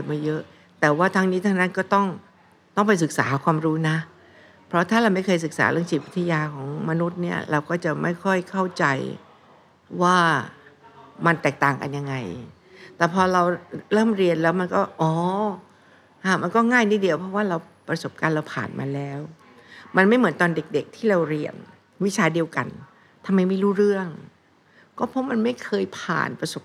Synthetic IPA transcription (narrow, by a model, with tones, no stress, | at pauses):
maː˧˩jɤ˦˥ʔ | t̪ɛː˨˩waː˥˩t̪ʰaː˧ŋniː˦˥t̪ʰaː˧ŋna˦˥˩nkɔː˥˩t̪ɔ˥˩ŋ | t̪ɔ˥˩ŋpa˧js̬ɯ˨˩k̚saː˩˦kʰwaː˧mɾuː˦˥na˦˥ | pʰɾɔ˦˥t̪ʰaː˥˩ɾa˧wma˥˩jkʰɤː˧js̬ɯ˨˩k̚sa̰ː˩˦ɾɯ˥˩əŋsiː˨˩p̚wi˦˥t̪ʰːa˧jaː˧kʰɔː˩˦ŋma˧nu˦˥t̪̚ni˥˩ɐɾa˧wkɔː˥˩t͡ɕa˨˩ma˥˩jkʰɔ˥˩jkʰa˥˩wt͡ɕa˧j | waː˥˩ | ma˧nt̪ɛː˨˩k̚t̪aː˨˩ŋka̰˧nja˧ŋːa˧j | t̪ɛː˨˩pʰɔː˧ɾa˧wɾɤː˥˩mɾi˧ənlɛː˦˥wma˧nkɔː˥˩ʔɔː˧˩˦ | ʔa˧˩ma˧nkɔː˥˩ŋaː˥˩jniː˦˥˩di˧əwpʰɔ˦˥waː˥˩ɾa˧w | pɾa˧so˨˩p̚kaː˧nɾa˧wpʰa̰ː˨˩nmʔa̰ː˧lɛː˦˥w | ma˧nma˥˩jm˩˦nt̪ɔː˧nde˨˩k̚de˨˩k̚t̪ʰiː˥˩ɾa˧wɾi˧ən | wi˦˥t͡ɕʰaː˧di˧əwka̰˧n | t̪ʰa˧mːa˧jma˥˩jɾuː˦˥˩ɾɯ˥˩əŋ | kɔː˥˩pʰɔ˦˥ma˧nma˥˩jkʰɤː˧jpʰa̰ː˨˩npɾa˧so˨˩p̚